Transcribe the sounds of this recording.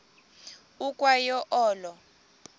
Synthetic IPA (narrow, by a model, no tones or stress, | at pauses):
ukʼwajɔʔɔːlɔ